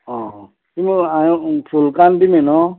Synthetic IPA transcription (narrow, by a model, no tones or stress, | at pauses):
ɔ̃ | timapʰulkantimenɔ